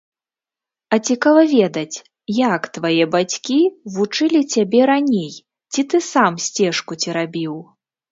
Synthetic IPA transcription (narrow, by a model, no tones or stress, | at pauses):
ɐt͡sʲikavɐvʲɛd̪ɐt͡sʲ | jakt̪vajɛbat͡sʲkʲivut͡ʂɨlʲit͡sʲabʲɛɾanʲej | t͡sʲit̪ɨsamsʲt͡sʲɛʂkut͡sʲiɾabʲiw